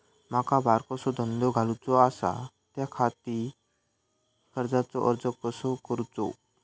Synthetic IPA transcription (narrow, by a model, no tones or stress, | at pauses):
makabʱaɾkɔsɔd̪ʱənd̪ɔɡʱalut͡sɔasa̰ | t̪jakʰat̪i | kəɾd͡zat͡sɔʔəɾd͡zɔkəsɔkəɾut͡sɔ̰